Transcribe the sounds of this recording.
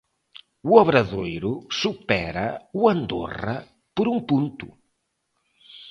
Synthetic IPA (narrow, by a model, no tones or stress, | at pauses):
uɔβɾɐðojɾusupɛɾɐuɐnd̪o̰rɐ̰ | poɾuŋpunt̪ṵ